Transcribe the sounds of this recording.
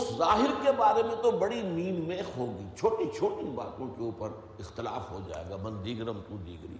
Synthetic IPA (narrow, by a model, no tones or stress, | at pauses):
ʊszaːɦɪɾkebaːɾemẽt̪obɐɽimiːnmeːxɦoːɡəit͡ʃʰoːʈĩt͡ʃʰoːʈĩba̰ːt̪õkeuːpəɾ | ɪxt̪ɪla̰ːfɦod͡ʒa̰ːḛːɡaːbɐ̃nd̪iːɡɾəmt̪ũd̪ḭːɡɾḭː